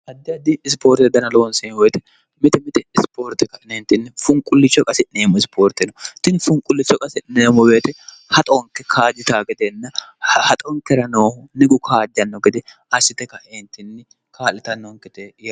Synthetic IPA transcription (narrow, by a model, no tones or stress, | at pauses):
hɐd̪ːɪɐd̪ɪɪspoːɾt̪ːɛd̪ɐnɐlonsɛnwɔjt̪ɛ̥ | mɪt̪ɛmɪt̪ɛɪspʰoːɾt̪ːɛkɐnent̪ːɪnːɛfʊŋkʼːʊlːɪt͡ʃːɔkʼɐsɪneːmɔɪspʰoːɾt̪ːɛnɐt̪ɪnfʊŋkʼʊlːɪt͡ʃːɔkʼɐsɪneːmɔbeːt̪ɛ | hɐt̪ʼɔŋkːɛkʰaːd͡ʒ̪ɪt̪aːɡɛd̪enːɐhɐt̪ʼɔŋkɛɾɐnoːhʊnɪɡʊkʰaːd͡ʒ̪ɪɐnːɔɡɛd̪ɛ | ɐsɪt̪ɛkɐeːnt̪ɪnːɛ | kʰaːlːɪt̪ɐnːoŋkɛt̪ej